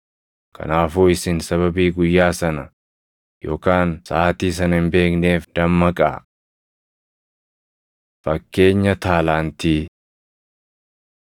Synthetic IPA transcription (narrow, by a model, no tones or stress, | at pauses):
kʰɐ̰naːfuːɪsɪnsɐβɐbiːɡʊjːaːsɐnɐ | jo̞̰ːkaːnsaːt̪iːs̬ɐnɐɪnbe̞ːkne̞ːfd̪̥ɐmːɐkʼa̰ː | fɐkːe̞ːɲːɐt̪aːlaːnt̪iː